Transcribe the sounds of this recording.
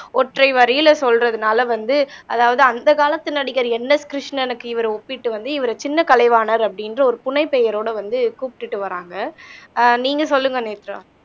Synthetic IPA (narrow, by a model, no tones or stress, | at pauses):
ɔʈrɐɪʋɐɾɪjɪlɐsɔlrɐðɯnaːlɐʋɐnd̪ɯɐðaːʋɐðɯɐnd̪ɐkaːlɐt̪ːɯnɐɽɪɣɐɾɛnːɐskɾɪʂnɐnɯkːɯɪʋɐɾɐɔpːɪʈːɯʋɐnd̪ɯɪʋɐɾɐt͡ʃɪnːɐkɐlɐɪʋaːnɐɾɐpːɐɽɪndrɐɔɾɯpʊnɐɪpːɛjɐɾoːɽɐʋɐnd̪ɯkuːpɪ̥ʈːɯʈːɯʋɐɾaːŋɡɐ | niːŋɡɐsɔlːɯŋɡɐneːt̪ːɾɐ̰̃m